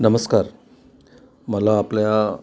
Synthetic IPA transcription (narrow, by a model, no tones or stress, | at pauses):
nəməskaːɾ | məlaːplja